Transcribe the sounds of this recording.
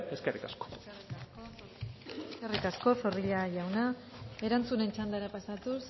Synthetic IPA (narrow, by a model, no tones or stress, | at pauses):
eskerikasko̥riasko | skerikasko̞so̞riʎaʝawna | e̞ɾant͡sune̞nt͡ʃand̪aɾapasat̪us